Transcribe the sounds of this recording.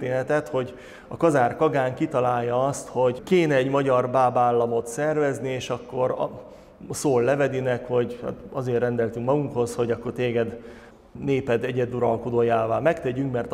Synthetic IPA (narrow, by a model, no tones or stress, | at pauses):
t̪eːnɛt̪ɛt̪ho̞ɟ | ɒkɒzaːrkɒɡaːŋkit̪ɒlaːjːɒɒst̪ho̞ɟkeːnɛːɟmɒɟɒrbaːbaːlːɒmo̞t̪sɛrvɛznieːʃɒkːo̞ɾ̰ | soːlːɛvɛd̪inɛkho̞ɟha̰ːt̪ɒzeːrːɛnd̪ɛlt̪yŋkmɒɡuŋkho̞sho̞ɟɒkːo̞rt̪eːɡɛd̪ | neːpɛd̪ɛɟɛd̪uɾɒlkod̪oːjaːvaːmɛkt̪ɛɟyŋkmɛrt̪